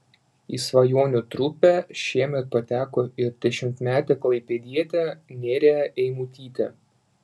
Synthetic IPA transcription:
isʋɐjoːnʲʊt̪ɾʊpʲæʃʲiɛmʲɛt̪̚pɐt̪ʲæːkoːɪɾd̪ʲɛʃʲɪmʲt̪ʲmʲæːt̪ʲɛklˠɐɪpʲɛd̪ʲiɛt̪ʲɛnʲeːɾʲeɛʔɛɪmuːt̪ʲiːt̪ʲɛ̰

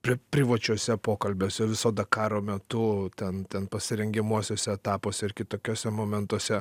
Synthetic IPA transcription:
pʲɪpʲɾʲɪʋɐt͡ʃʲoɔsʲɛpoːkɐlʲbʲoːsʲɛʋʲɪsoːd̪ɐkɑːɾoːmʲɛt̪ʊt̪ʲɛnt̪ʲɛnpɐsʲɪɾʲɛŋʲɡʲɪmuɔsʲoːsʲɛɛt̪ɑːpoːsʲɛɪrkʲɪt̪oːkʲoːsʲɛmoːmʲɛnt̪uɔsʲɛ

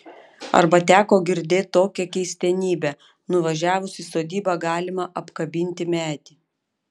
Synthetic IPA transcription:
ɐ̰ɾbɐt̪ʲæːkoːɡʲɪɾʲd̪ʲeːt̚t̪oːkʲɛkʲɛɪsʲt̪ʲɛnʲiːbʲɛ | nʊʋɐʒʲæːʋʊsisoːd̪ʲiːbɑɡɑːlʲɪmɐʔɐpkɐbʲɪnʲt̪ʲɪmʲæːt̪ʲi

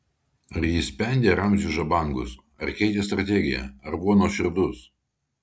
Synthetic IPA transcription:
ɐɾjɪsʲpʲɛˑnʲd̪ʲeːɾɐmʲzʲʊʒɐbɐˑŋɡʊs | ɐɾkʲɛɪt̪ʲeːst̪ɾɐt̪ʲɛɡʲɪ̰jɛ̰ɐɾbʊʋonoːʃʲɪɾd̪ʊs

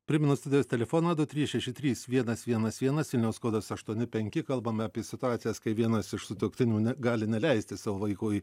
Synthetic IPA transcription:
pʲɾʲɪmʲɪnʊst̪ʊd̪ʲɪjoːsʲt̪ʲɛlʲɛfoːnɐd̪ʊt̪ʲɾʲiːsʃʲɛʃʲɪt̪ʲɾʲiːsʋʲiɛnɐsʋʲiɛnɐsʋʲiɛnɐsʋʲɪlʲnʲɛʊskoːd̪ɐsɐʃt̪uɔnʲɪpʲɛŋʲkʲɪkɐlˠbɐmʲɑːpʲiɛsʲɪt̪ʊɑːt̪sʲɪjɛskɐɪʋʲiɛnɐsɪʃsʊt̪ukʲt̪ʲɪnʲuːnʲɛɡɑːlʲɪnʲɛlʲɛɪsʲt̪ʲɪsɑːʋoːʋɐɪkoːj

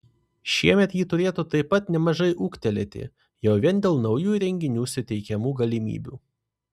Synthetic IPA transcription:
ʃʲiɛmʲɛt̪jiːt̪ʊɾʲeːt̪uːt̪ɐɪpːɐt̪nʲɛmɐʒɐɪʔuːkt̪ʲɛlʲɛt̪ʲɪ̰ | jɛʊʋʲiɛnd̪ʲeːlˠnɒʊjuːɾʲɛŋʲɡʲɪnʲuːsʲʊt̪ʲɛɪkʲɛmuːɡɐlʲɪmʲḭːbʲṵː

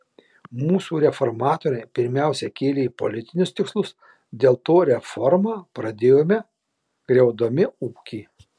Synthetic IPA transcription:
muːsuːɾʲɛfɔɾmɑːt̪oːɾʲɛpʲɪɾʲmʲæˑʊsʲɛkʲeːlʲeːiːpɔ̰lʲɪt̪ʲɪnʲʊst̪ʲɪkslˠʊs | d̪ʲeːlˠt̪oːɾʲɛfɔɾmɑːpɾɐd̪ʲeːjoːmʲɛ | ɡ̥ɾʲɛʊd̪oːmʲɪuːkʲiː

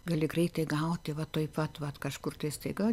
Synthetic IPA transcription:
ɡɐlʲɪɡrɐɪt̪ɐɪɡɐʊt̪ʲɪʋɐt̪oːɪpɐt̪ʋɐt̪kɐʃkʊrt̪ɐɪsʲt̪ɐɪɡɐ

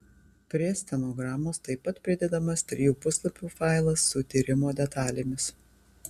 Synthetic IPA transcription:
pʲɾʲiɛsʲt̪ʲɛnoːɡɾɑːmoːst̪ɐɪpːɐt̪pʲɾʲɪd̪ʲɛd̪ɐmɐst̪ʲɾʲɪjuːpʊslˠɐpʲuːfɑˑɪlˠɐsːʊt̪ʲiːɾʲɪmoːd̪ʲɛt̪ɑːlʲemʲɪs

